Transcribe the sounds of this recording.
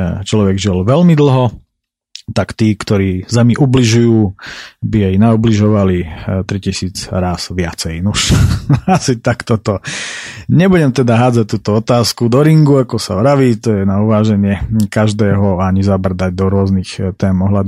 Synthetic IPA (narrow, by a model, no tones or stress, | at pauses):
t͡ʃlɔʋɛɡʒilʋɛlmid̪l̩ˠɦɔ | t̪akt̪iːkt̪ɔɾiːzɛmiʔubliʒujuːbijɛjnaubliʒɔʋalit̪ɾicisiːd͡zɾaːsʋɪat͡sɛjnuʃasit̪akt̪ɔt̪ɔ | ɲɛbuɟɛmt̪ɛd̪aɦaːd͡zac̚t̪uːt̪ɔɔt̪aːskud̪ɔɾiŋɡuakɔsaʋɾaʋiːt̪ɔjɛnauʋaːʒɛɲɪɛkaʒd̪ɛːɦɔaɲizabr̩d̪aɟ̚d̪ɔɾʊɔznixt̪ɛːmɔɦlad̪u